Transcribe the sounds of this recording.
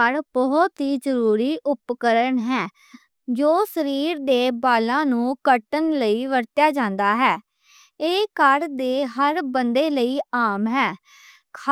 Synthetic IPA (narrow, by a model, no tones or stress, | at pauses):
əɾbɔːt̪ɦiːzəɾuːɾiːʔʊpkəɾəɳɦɛː | d͡ʒoːsəɾiːɾd̪eːbaːlãːnũːkəʈənləiːʋəɾt̪jaːd͡ʒãːnd̪aːɦɛː | eːkəɾd̪eːɦəɾbənd̪eːləiːaːmɦɛː | kʰ